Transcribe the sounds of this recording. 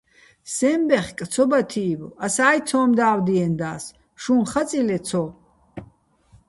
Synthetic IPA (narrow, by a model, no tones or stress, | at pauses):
sɛmbɛχkʼt̪sʰɔbat̪ʰiːvɔasaːj̪t͡s̪ʰɔːmd̪aːwd̪iɛnd̪aːs | ʃunχat͡sʼilɛt̪t͡sʰɔ